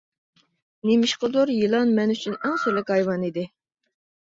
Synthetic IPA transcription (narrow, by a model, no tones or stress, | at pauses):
nemɪʃqəd̪uɾjilˠɑnmɛnyt͡ʃʰynæŋsyɾlɪkʲhɑjwɑnid̪ɪ